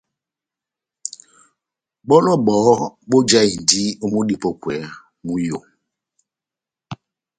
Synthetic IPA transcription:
ɓɔ˦lɔ˦˨ɓɔː˨˦ɓo˦d͡ʒa˦i˨n˨di˦o˦mu˦ɗi˦˨pɔ˦kwɛ˨˦ | mu˦jo˨

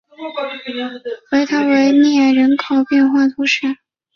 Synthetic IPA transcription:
we˧˥ɪt̪ʰa˥we˧˥ɪnɛ˥˩˨ɻə˧˥nkʰo˨˩ʊpjɛ˥˧nxwa˥˩t̪ʰu˥ʂə˥˩˦

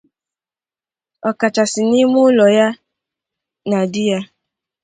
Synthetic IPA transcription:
ɔ˨ka˨t͡ʃa˨sɪ˨ni˦mʊ˦lɔ˨ja˦ | na˨dɪ˦ja˦

